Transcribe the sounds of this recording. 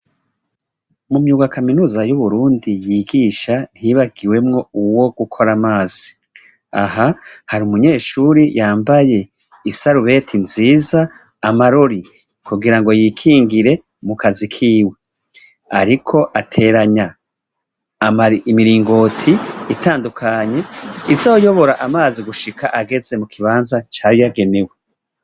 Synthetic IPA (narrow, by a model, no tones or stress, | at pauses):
mumjuːɡwakaminuːzajuβuɾuːndijiːɡiːʃan̥hiβaɡiwe̞mŋo̞uwo̞ɡ̥ukʰo̞ɾamaːz̥i̥ | ahahaɾiumuɲe̞ːʃuːɾijaːmbaje̞ | isaɾuβe̞tʰinziːzaː | maɾo̞ɾi | kuɡiɾaŋɡo̞jikʰiːŋɡiɾe̞ | mukazikʰiːwe̞ | aɾikʰo̞ʔatʰe̞ːɾaɲa | mimiɾiːŋɡo̞tʰiːtaːndukʰaɲe̞izo̞ːjo̞βo̞ɾaʔamaːziɡuʃikʰaʔaɡe̞ze̞mukʰiβaːnzat͡ʃaːjojaɡe̞newe